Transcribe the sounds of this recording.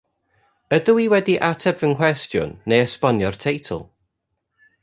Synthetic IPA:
ədəiwɛdiʔatʰɛbvənkʰw̥ɛstjʊ̰nːejəspɔnjɔrtʰejtʰə̰lˠ

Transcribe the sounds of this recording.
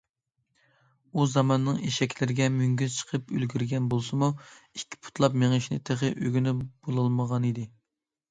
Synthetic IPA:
uzɑmɑnːɨŋeʃɛkʲlɪɾɪɡʲɛmyŋɡʲyzt͡ʃʰə̥qʰəpølɡʲyɾɡʲɛnbolˠsɨmuikʲʰːi̥pʰu̥t̪ʰlˠɑpmeŋəʃnɪt̪ʰeχɨʔøɡʲynɪb̥olˠɑlˠməʁɑnid̪ɪ

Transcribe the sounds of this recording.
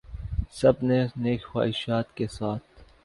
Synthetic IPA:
sɐbneneːkxa̰ːɪʃaːt̪kesaːt̪̚ʰ

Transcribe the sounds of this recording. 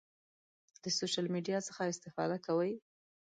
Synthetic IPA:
d̪̥əsoʃalmiɖijɑt͡səxaɪst̪ɪfɑ̰d̪akawəj

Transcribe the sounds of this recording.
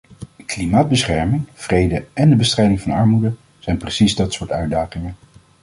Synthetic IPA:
klimaːd̚bəsχɛɹmɪŋv̥rejdəɛndəbəstrɛjdɪŋvɑnɑɹmudə | z̥ɛjnprəsizdɑtsʊːɹtœɥdaːχɪŋən

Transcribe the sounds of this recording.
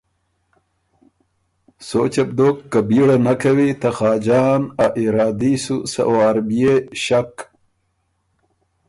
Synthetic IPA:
soːt͡ɕɐb̚d̪oːkːabiɽanakɐwit̪ɐxɑːd͡ʒɑːnaʔiɾɑːd̪isusɐ̰oaɾbijeɕak

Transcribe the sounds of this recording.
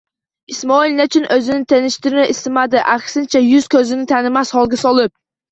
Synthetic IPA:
ismoilʲnɪt͡ʃʰynʔøzɪnɪt̪ʰenɪʃt̪ɪɾɪnɪisɪmæd̪ɪʔæksɪnt͡ʃʰɛjyz̥kʲʰøzɪnɪt̪ʰɛnɪmɛshɒlˠɡʲɪsɑlˠɨp̚

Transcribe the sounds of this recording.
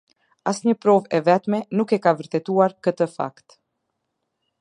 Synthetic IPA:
asɲəpɾɔvɛvɛt̪mɛnukɛkavəɾt̪ɛt̪uaɾkət̪əfa̰kt̪

